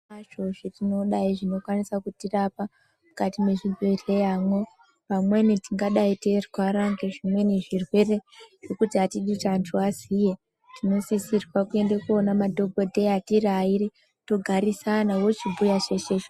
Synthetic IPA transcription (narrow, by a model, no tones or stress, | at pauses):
aʒo̞ʐetino̞ɗaiʐino̞kwanisakutirapa | mukatime̞ʐirere̞jamo̞ | pamwe̞nitiŋɡaɗaiterwaɾaŋɡeʐimwe̞neʐirwe̞re̞ʐo̞kutiɦatiɗit͡ʃantʰuazije̞ | tino̞sisirwakue̞ndekuo̞namadʱo̞ɡʱo̞dʱe̞atiraiɾi | to̞ɡʱaɾisanawo̞t͡ʃibujaʐe̞t͡ʃeʐ